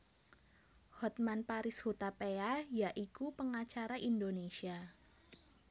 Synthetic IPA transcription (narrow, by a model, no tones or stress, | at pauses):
hɔt̪̚manpaɾɪshot̪apeajaʔikupəŋat͡ʃaɾaʔindonesia